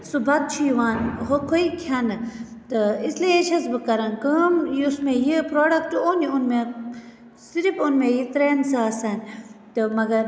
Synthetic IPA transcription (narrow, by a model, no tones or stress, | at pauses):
subʱɐt̪̚t͡ʃʰijʋaːnɦokʰoikʲʰɐnɨ | t̪ɨisliet͡ʃʰɐsbɨkɐɾɐnkəmjusmejipɾoːɖɐkʈoniunme | siɾipunmejit̪ɾeːnsaːsɐnt̪ɨmɐɡɐɾ